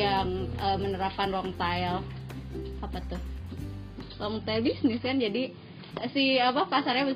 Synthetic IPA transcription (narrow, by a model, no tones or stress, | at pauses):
aŋəmənəɾapanwɔŋt̪ajɛl | apat̪ʊh | wɔŋt̪aɛlbisnɪskand͡ʒadi | siapapasaɾɲabə